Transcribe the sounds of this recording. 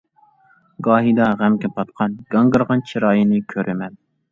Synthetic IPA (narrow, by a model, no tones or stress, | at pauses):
ɡɑːɦid̪ɑʁæmkʲɛpʰɑt̪̚qʰɑnɡ̥ɑŋɡɨɾʁɑnt͡ʃʰiɾɑːjinɨkʲʰøɾʔɪmɛn